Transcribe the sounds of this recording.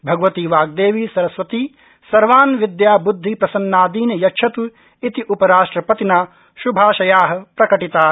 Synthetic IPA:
bʱɐɡʋɐt̪iːʋaːɡ̚d̪eːʋiːsɐɾɐsʋɐt̪iː | sɐɾʋaːnʋid̪jaːbud̪ʱːipɾɐsɐnːaːd̪iːnɐjɐkʃʰɐt̪u | it̪iʔupɐɾaːʂʈɾɐpɐt̪inaː | ʃubʱaːʃɐjaːɦɐ̆pɾɐkɐʈit̪aː

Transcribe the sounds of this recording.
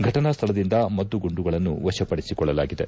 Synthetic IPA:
ɡʱɐʈɐnɐst̪ʰɐlɐd̪ind̪ɐmɐt̪ːuɡuɳɖuɡɐɭɐnːuʋɐʃɐpɐɽisikɔɭːɐlaːɡid̪e̞̰

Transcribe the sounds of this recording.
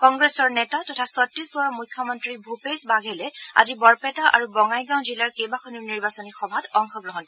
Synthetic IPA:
kɔŋɡɹesɔɹnɛtatɔtʰasɔtɹisbɔɹɔmujkʰːjɔmɔntɹibʱupesbaɡʱɛlɛa̰zibɔɹpɛtaʔa̰ɹubɔŋajɡãw̃zilaɹkejbakʰɔniɹniɹbasɔnixɔbʱatɔŋxɔɡɹɔɦɔn

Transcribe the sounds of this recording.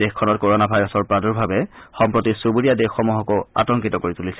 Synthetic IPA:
exkʰɔnɔt̚koɹɔnabʱajɹɔsɔɹpɹaduɹbʱabɛxɔmpɹotisubuɹijadexːɔmuɦɔkɔa̰tɔŋkitɔkoɹitulisɛ

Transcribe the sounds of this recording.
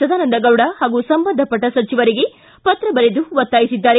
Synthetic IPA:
ɐd̪ʱaːnɐnd̪ɐɡɐwɽɐhaːɡusɐmbɐnd̪ʱɐpɐʈːɐsɐt͡ʃiʋɐɾiɡe̞ | pɐt̪ɾɐbɐɾed̪uʋɐt̪ːaːjisid̪ːaːɾe

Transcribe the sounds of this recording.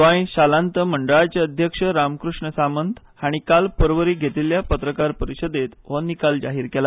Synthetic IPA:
ʋãj̃ɕalãnt̪əməɳɖəɭat͡ɕeəd̪ʱjəkʂəɾamkɾuʂɳəsamənt̪ | haɽ̃ikalpəɾʋəɾiːɡʱet̪iljapət̪ɾəkaɾpəɾiɕəd̪et̪ʋɔnːikald͡ʑaɦiːɾkɛla

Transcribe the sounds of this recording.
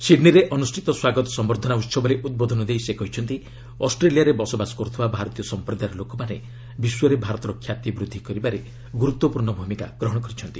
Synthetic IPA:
siɖniɾeʔɔnusʈʰit̪ɔswaɡɔt̪ɔ̥sɔmbɔɾd̪ʱɔnaut̪sɔbɔɾeʔud̪̚bod̪ʱɔnɔd̪ejsekɔɦit͡ʃʰɔnt̪i | ɔsʈɾelijaɾebɔsɔbasɔ̥kɔɾut̪ʰibabʱaɾɔt̪ijɔsɔmpɾɔd̪aɾɔlokɔmane | biswɔɾebʱaɾɔt̪ɔɾɔkʰːjat̪jibɾud̪ʱːikɔɾibaɾe | ɡuɾut̪wɔpuɾɳɔbʱumika̰ɡ̥ɾɔɦɔɽ̃ɔkɔɾit͡ʃʰɔnt̪i

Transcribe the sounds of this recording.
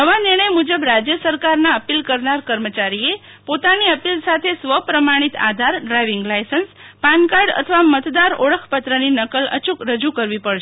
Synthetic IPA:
nəʋanɪɾɳ̃əjmud͡ʒəbɾad͡ʒjəsəɾkaɾnaəpilkəɾnaɾkəɾmət͡ʃaɾie | pot̪aniəpilsat̪ʰesʋəpɾəmaɽ̃it̪a̰d̪ʱaɾɖɾajʋiŋɡlajsənspankaɾɖə̰t̪ʰəʋamət̪d̪aɾoɽəkʰpət̪ɾəninəkələ̰t͡ʃukɾəd͡ʒukəɾʋipəɽʃ

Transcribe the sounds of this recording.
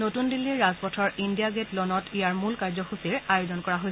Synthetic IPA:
notundilːiɹɹazpɔtʰɔɹindijaɡetlɔnɔtijaɹmulkaɹzɔxusiɹajozɔnkɔɹaɦoj

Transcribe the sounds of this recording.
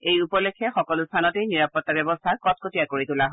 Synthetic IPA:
ejupɔlekʰɛxɔkɔlʊstʰanɔtejniɹapɔtːabjɔbɔstʰakɔt̚kotijakoɹitulaɦɔ

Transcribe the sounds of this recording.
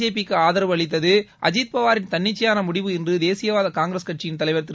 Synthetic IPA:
eːp̬ɪkːɯaːðɐɾɐʋɐɭɪt̪̬ːɐðɯʔɐ̰d͡ʒiːt̪̚pɐʋaːɾɪnt̪ɐɳːɪt͡ʃːɐjaːnɐmʊɽɪʋɯɪndrɯd̪eːsɪjɐʋaːðɐkaːŋɡɾɐskɐʈ̚t͡ʃɪjɪnt̪ɐlɐɪʋɐɾt̪ːɪ

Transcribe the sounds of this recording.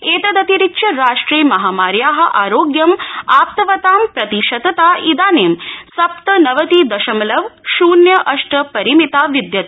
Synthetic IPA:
eːt̪ɐd̪ɐt̪iɾitːʃɐɾaːʂʈɾiːmɐɦaːmaːɾjaːɦɐʔaːɾoːɡjɐmaːp̚t̪ɐʋɐt̪aːmpɾɐt̪iʃɐd̪ɐt̪aːʔid̪aːneːmsɐp̚t̪ɐnɐʋɐt̪iːd̪ɐʃɐmlɐʋʃuːnjɐʔɐʂʈəpɐɾimit̪aːʋid̪jɐt̪

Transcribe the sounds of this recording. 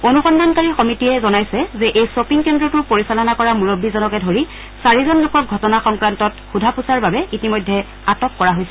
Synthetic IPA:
onuxɔndankaɹixɔmitiɛzɔnajsɛzɛʔejsopiŋkɛndɹɔtʊpoɹisalɔnakɔɹamuɹobːizɔnɔkɛdʱoɹi | saɹizɔnlʊkɔk̚ɡʱɔtɔnaxɔŋkɹantɔtxudʱapusaɹbabɛʔitimɔjdʱːɛ | atɔkːɔɹaɦojsɛ

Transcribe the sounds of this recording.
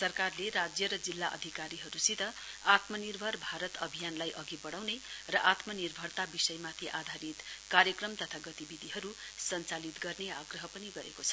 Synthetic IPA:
sʌrkarleɾad͡zjʌɾʌd͡zilːaʔʌ̰d̪ʱikaɾiɦʌɾusit̪ʌ | at̪mʌnirbʱʌrbʱaɾʌt̪ʌbʱijanlajʔʌɡibʌɽ̃awnerʌʔat̪mʌnirbʱʌrt̪abisʌjmat̪ʰiʔad̪ʱaɾit̪kaɾjʌkrʌmt̪ʌt̪ʰaɡʌt̪ibid̪ʱiɦʌɾu | sʌnt͡salit̪ɡʌrneaɡrʌɦʌpʌniɡʌɾḛkot͡sʰʌ

